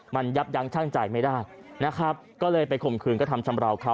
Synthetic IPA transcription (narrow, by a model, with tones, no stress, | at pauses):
ma˧nja˦˥p̚ja˦˥ŋt͡ɕʰa˥˩ŋt͡ɕa˨˩jma˥˩daː˥˩j | na˦˥kʰɾa˦˥p̚kɔː˥˩lɤː˧jpa˧jkʰo˨˩mkʰɯː˧nkt̪ʰa˧mt͡ɕʰa˧mɾa˧wkʰa˦˥